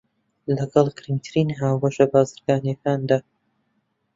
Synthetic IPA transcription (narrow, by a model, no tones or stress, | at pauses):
lɐɡɐlˠɡɨɾimt̪ʰɨɾiːnɦaːwɐʃɐbaːzɨɾɡ̥aːnjɛkaːnd̪aː